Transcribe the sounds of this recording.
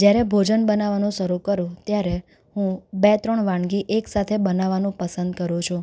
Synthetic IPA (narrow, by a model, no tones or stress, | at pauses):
d͡ʒjaɾɛbʱod͡ʒənbənaʋanũʃəɾukəɾũt̪jaɾe | hũbet̪ɾɔɳʋãɳɡiʔeksat̪ʰebənaʋanũpəsənd̪kəɾũt͡ʃʰũ